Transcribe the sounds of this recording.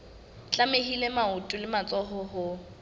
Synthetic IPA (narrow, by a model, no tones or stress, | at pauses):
t͡ɬʼameɦilemaʊtʼʊlɪmat͡sʼɔɦɔɦʊ